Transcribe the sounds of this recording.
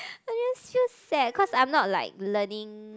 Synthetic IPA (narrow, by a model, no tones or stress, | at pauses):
ad͡ʒɛsfilsɛd̚kʰɔsãj̃mnɔt̚la̰ɪk̚lənĩŋ